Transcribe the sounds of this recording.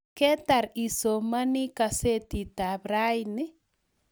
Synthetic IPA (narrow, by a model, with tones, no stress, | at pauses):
kɛ˦ta˨ɾi˨so˨ma˦ni˦ka˧se˦ti˨ta˨bɾa˦jni˦